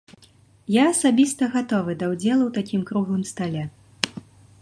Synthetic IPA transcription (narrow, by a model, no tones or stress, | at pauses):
jaːsabʲist̪ɐɣat̪ɔvɨd̪ɐwd͡zʲɛlˠuwt̪akʲimkɾuɣˠɨmst̪alʲɛ